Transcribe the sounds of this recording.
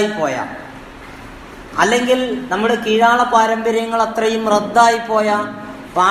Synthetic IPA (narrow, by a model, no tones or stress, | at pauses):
jipːo̞ːja̰ː | ɐlːe̞ŋɡilnɐmːuɽekiːɻaːɭɐpaːɾɐmbɐɾjɐŋːɐɭɐt̪rɐjumred̪ːaːjipːo̞ːjɐ | paː